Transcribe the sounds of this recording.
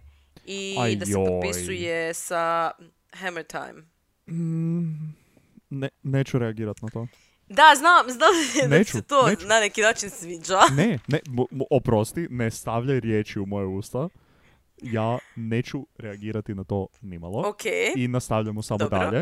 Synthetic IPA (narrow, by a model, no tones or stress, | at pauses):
iaaeoopisjsjujesa | hɛmət̪ʰa̰jm̩ | neneːt͡ɕuɾeaɡiːɾat̪nat̪oː | d̪aznamznamnet͡ʃut̪oenanekinaːt͡ʃinsʋiːd͡ʒanenemopɾost̪inest̪aʋʎajɾjeːt͡ʃiumojeuːst̪a | jaːne̞ːt͡ʃuɾeaɡiːɾat̪inat̪o̞nima̰lˠookʰeinast̪aʋʎajmosamod̪aʎʎe